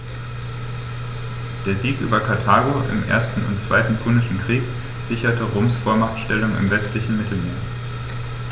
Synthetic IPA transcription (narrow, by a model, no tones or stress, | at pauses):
d̥eːɐziːkʔy̰ːbɐkʰaɐtʰaːɡoʔɪ̰mʔḛːɐstn̩ʊ̰ntt͡sv̥a̰ɪtn̩pʰunɪʃn̩kʁ̥iːk | z̥ɪçɐtəʁoːmsfoːɐmatʃtɛlʊŋɪ̰mvɛstlɪçn̩mɪtʰl̩meːɐ